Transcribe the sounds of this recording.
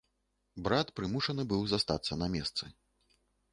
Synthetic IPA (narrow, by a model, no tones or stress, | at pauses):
bɾat̪pɾɨmuʂɐnɨbɨwzast̪a̰t̪sːɐnɐmʲɛst̪sɨ